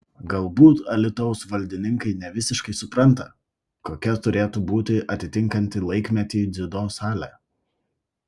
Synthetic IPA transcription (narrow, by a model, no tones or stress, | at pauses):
ɡɐlˠbuːt̪ɐlʲɪt̪ɔʊsʋɐlʲd̪ʲɪnʲɪŋkɐɪnʲɛʋʲɪsʲɪʃkɐɪsʊpɾɐnˑt̪ɐ | koːkʲɛt̪ʊɾʲeːt̪ubuːt̪ʲɪʔɐt̪ʲɪt̪ʲɪŋˑkɐnʲt̪ʲɪlˠɐɪkʲmʲɛt̪ʲiːd̪zʲɪd̪oːsɑːlʲɛ̰